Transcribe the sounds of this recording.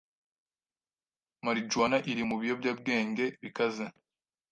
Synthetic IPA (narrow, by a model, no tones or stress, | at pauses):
maɾid͡ʒwanaʔiɾimuβijo̞bɟaːb̚ɡeːŋɡe̞βikaze